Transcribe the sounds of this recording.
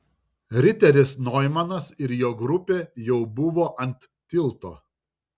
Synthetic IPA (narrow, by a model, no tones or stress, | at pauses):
ɾʲɪt̪ʲɛɾʲɪsnɔjmɐnɐsɪɾjoːɡɾʊpʲeːjɛʊbʊʋoːʔɐnʲt̪ːʲɪlˠt̪oː